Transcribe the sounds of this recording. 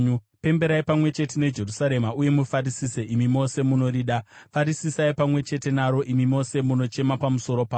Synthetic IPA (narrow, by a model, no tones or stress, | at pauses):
upe̞mbe̞ɾaipamwe̞t͡ʃe̞tene̞d͡ʒe̞rusaɾe̞mauje̞mufaɾisiseʔimimo̞se̞muno̞ɾiɗafaɾisisaipamwe̞t͡ʃe̞te̞naɾo̞ʔimimo̞se̞muno̞t͡ʃe̞mapamuso̞ɾo̞paː